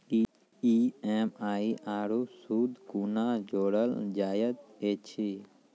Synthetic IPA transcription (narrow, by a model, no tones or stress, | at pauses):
ieːmaːiʔaːɾusuːd̪kunad͡ʒoːɽəld͡ʒaːjət̪et͡ʃʰi